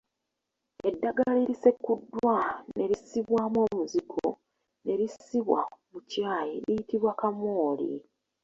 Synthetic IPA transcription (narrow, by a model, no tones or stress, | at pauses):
e̞dːaɡaliɾise̞kːudːwane̞ɾisiβwaːmo̞ːmuziɡo̰ | ne̞ɾisiβwa̰mucaːjelijitiβwakamoːlḭ